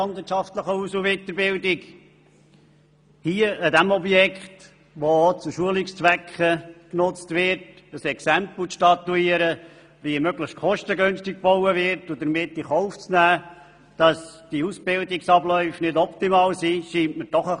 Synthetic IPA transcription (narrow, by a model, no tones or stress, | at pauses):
ɑndvɪɾtt͡ʃɑft̪ləχəusuʋɪt̪əɾbɪldɪk | hiːəədæmɔbjɛkχt | ʋot͡suʃuəlɪkst͡svʋɛkχəknʊt͡stvɪɾt | əsɛksæmpl̩ʃtɑtːuiːəɾə | ʋimøɡləʃtkʰχɔʃtəɡønstɪk̚b̥ɔʊəvɪɾtʊd̥̪əɾmɪtːiχɔʊft͡snæː | d̥ɑsd̥iusb̥ɪldɪksɑblœʏfnɪdɔptimɑːlsiʃiːntməɾd̥ɔχə